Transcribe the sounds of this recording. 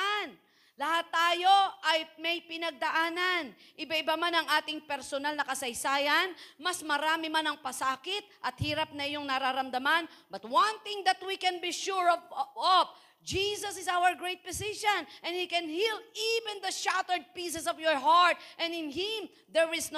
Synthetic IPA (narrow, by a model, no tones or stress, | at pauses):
n | lɐhat̪ːaːjo̞ʔɐjmɐjpɪnɐɡ̚d̪ɐʔaːnɐn | ʔɪbaɪbamanɐŋʔaːt̪ɪŋpɛɾsonalnɐkɐsɐjsaːjɐnmɐsmɐɾaːmɪmanɐŋpɐsaːkɪt̪̚ʔɐt̪̚hiːɾɐp̚nɐʔɪjoŋnɐɾaɾɐmd̪ɐmanbɐt̪̚wãnt̪ɪ̃ŋd̪ɐt̪wikɛ̃nbiʃuɹɔvɔp̚ | d͡ʒiːsɐsɪsawəɹɡɹejt̪̚pɔsɪʃõnʔɛ̃nhikɛ̃nhilivɛ̃nd̪ɐʃat̪ɛɹd̪̚pisɛsɔvjɔɹɦaɹt̪̚ʔɛ̃nɪnɦɪm | d̪ɛɹɪsn